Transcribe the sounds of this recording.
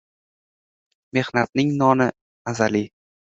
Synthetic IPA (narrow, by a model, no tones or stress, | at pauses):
me̞hnat̪̚nɪŋnɒnɪ | azali